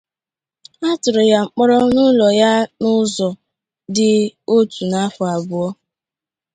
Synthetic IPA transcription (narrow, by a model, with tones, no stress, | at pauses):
a˦tʊ˨ɾʊ˨ja˨ŋ͡m̩˨k͡pɔ˦ɾɔ˦nʊ˦lɔ˨ja˦nʊ˦zɔ˨ | dɪ˦o˦tu˨na˦fʊ˨a˨bʊ˨˦ɔ˦